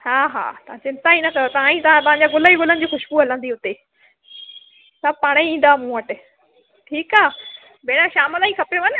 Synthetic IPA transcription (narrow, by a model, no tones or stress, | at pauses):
haːɦa̰ːt̪ɐʋ̤ãt͡ɕɪ̃nt̪ainɐkɐjot̪ɐʋ̤ãĩt̪ɐʋãt̪ɐ̃ɦãɲd͡ʑaɡʊlaːiɡʊlənɪ̆d͡ʑiːxʊʃbuɦɐlə̃nd̪iʊt̪e | sapaːɽ̃eĩːn̆d̪aːmũːəʈɪ | ʈʰiːkaː | beːɽ̃ãʃaːməlaːĩkɐpjoʋɐnɪ̆